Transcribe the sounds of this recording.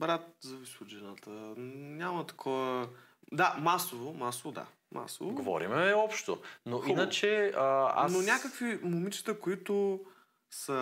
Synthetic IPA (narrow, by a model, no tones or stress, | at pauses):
bɾat̪̚zɐvisʊd͡ʒɛnat̪ənʲamət̪ɐ̥kʰɔvə | d̪amasovomasovod̪a̰ | mʔa̰so̰voɡovɔ̰ɾḭmɛɔpʃt̪o̰noinət͡ʃɛəa̰nnonʲakəkvimʊmit͡ʃi̥t̪əkoit̪ʊ | sɐ